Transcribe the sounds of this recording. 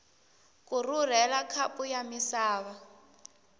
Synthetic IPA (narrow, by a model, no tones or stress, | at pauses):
kʼurur̤ɛlakʰapʼujamisaːβa